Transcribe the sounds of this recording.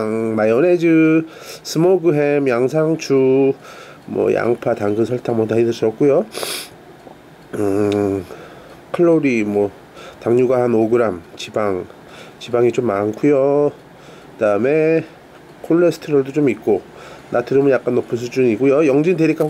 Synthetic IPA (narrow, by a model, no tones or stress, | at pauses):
ŋmajʌned͡ʑɯ | sʰɯmoɡɯɦemjaŋs̬ʰaŋt͡ɕʰu | mwʌ̰jʔa̰ŋpʰataŋɡɯsʰʌɭtʰaŋmʌtaidɯs͈ʌk̚k͈ujo | kʰɯɭːoɾimwʌ | taŋɲuɡahanoɡɯɾamt͡ɕibaŋ | t͡ɕibaŋit͡ɕomːankʰujo | kɯdaɯme̞ | kʰoɭːesʰɯ̥tʰɯɾʌɭdot͡ɕomik̚k͈o | natɯɾɯmɯnjak͈anːopʰɯnsʰud͡ʑuniɡojojʌŋd͡ʑindeɾik͈a